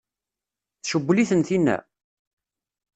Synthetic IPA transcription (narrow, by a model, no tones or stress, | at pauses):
θʃəbːliθənθinːæ̰